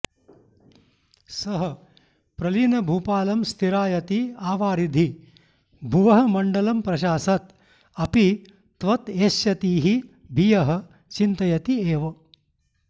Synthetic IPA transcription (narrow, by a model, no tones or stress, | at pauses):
sɐɦɐ | pɾɐliːnɐbʱuːpaːlɐmst̪ʰiɾaːjɐt̪iaːʋaːɾid̪ʱi | bʱuʋɐɦɐmɐɳɖɐlɐmpɾɐʃaːsɐt̪ | ɐpi | t̪ʋɐt̪eːsjɐt̪iːɦi | bʱijɐɦɐ̆ | t͡ʃint̪ɐjɐt̪ieːʋɐ